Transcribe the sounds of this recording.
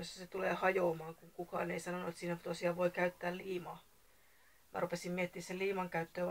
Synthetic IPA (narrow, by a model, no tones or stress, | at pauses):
josːæset̪uleːhɑjoːmɑːŋkuŋkukɑ̰ːneisɑnonuet̪siːnæt̪osiɑːʋʋoikæyt̪ːæːlliːmɑː | mʔæ̰rupesimmiet̪ːiːsseliːmɑŋkæyt̪ːøː